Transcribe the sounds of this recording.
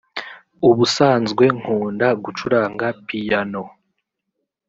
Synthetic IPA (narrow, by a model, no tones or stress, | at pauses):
uβusaːnzɡwe̞ŋ̥huːndaɡut͡ʃuɾaːŋɡapijano̞